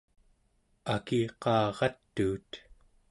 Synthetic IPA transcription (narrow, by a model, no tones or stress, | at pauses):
akiqɑːʁɑt̪ːuːt̪